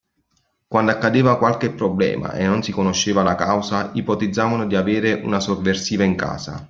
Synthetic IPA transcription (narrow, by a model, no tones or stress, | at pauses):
kwand̪akːad̪eːvakwalkepːɾoblɛ̰ːma̰ʔḛnːonsikonoʃːeːvalakawsaipɔt̪id̪zːaːvanod̪iaveːɾeʔunasovːersiːvaiŋka̰ːsa̰